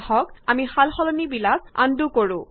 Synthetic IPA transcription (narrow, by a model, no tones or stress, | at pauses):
hɔkamihalxɔlɔnibilak̚a̰ndukoɹũ